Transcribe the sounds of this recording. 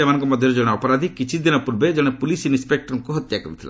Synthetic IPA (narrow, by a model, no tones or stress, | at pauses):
emanɔ̃ŋkɔmɔd̪ʱjɔɾed͡ʒɔɽ̃eɔpɔɾad̪ʱikit͡ʃʰid̪inɔpuɾbed͡ʒɔɽ̃epulisinispek̚ʈɔɾɔŋkuɦɔt̪jakɔɾit̪ʰila̰